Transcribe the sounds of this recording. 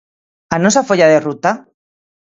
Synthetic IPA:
anosafoʎaðerut̪a

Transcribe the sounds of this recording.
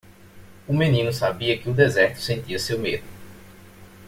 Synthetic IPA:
ʊmẽnĩnʊsabiɐkɪʊd̪ezɛɾt̪ʊ̥sẽnt̪iɐsewmed̪ʊ

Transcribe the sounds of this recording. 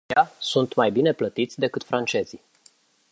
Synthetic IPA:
asunt̪majbine̞plət̪it̪sʲd̪e̞kɨt̪fɾant͡ʃe̞zi

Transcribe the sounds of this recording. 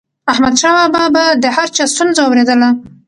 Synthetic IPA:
ahmad̪ʃɑwababad̪əhaɾt͡ʃɑst̪unzawawɾed̪əla

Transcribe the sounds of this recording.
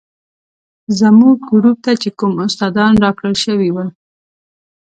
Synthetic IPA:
zamuɡɡɾup̚t̪at͡ʃekumʊst̪ɑd̪ɑnɾɑkɽəlʃəwiwə

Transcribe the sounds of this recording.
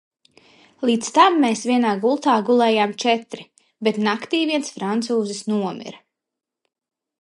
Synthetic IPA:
lˠiːt̪st̪amːeːsvʲiɛnaːɡulˠt̪aːɡulˠɛːjaːmt͡ʃɛt̪ɾi | bet̪nakt̪iːvʲiɛnsfɾant̪suːzisnuɔmḭɾ

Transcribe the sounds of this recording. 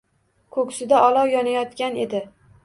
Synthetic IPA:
kʰɵkʲsɪd̪aʔɒlˠɒwjɒnajɒt̪kʲane̞d̪ɪ

